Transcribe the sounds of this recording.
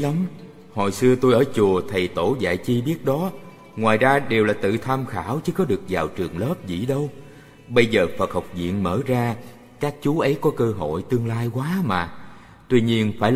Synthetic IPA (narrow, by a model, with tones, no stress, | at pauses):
a˨˦m | ho̰˨˩jsɨ˧ət̪u˧jʔəː˧˩t͡ɕu˨˩ət̪ʰə˨˩jt̪o˧˩za̰ː˧˨jt͡ɕi˧ɓi˦˥ət̚ɗɔ˨˦ | ŋwaː˨˩jzaː˧ɗe˨˩wlaː˨˩t̪ɨ̰˧˨t̪ʰaː˧mxaː˧˩wt͡ɕɨ˨˦kɔ˨˦ɗɨ˨˩ək̚zaː˨˩wt͡ɕɨ˨˩əŋləː˦˥p̚zḭ˧˥˨ɗə˧w | ɓə˧jzəː˨˩fə˨˩t̚ha˨˩wk͡p̚zḭ˧˨ənməː˧˩zaː˧ | kaː˦˥k̚t͡ɕu˨˦ʔə˨˦jkɔ˨˦kəː˧ɦo̰˧˨jt̪ɨ˧əŋlaː˧jkwaː˨˦maː˨˩ | t̪wi˧ɲi˧ənfaː˧˩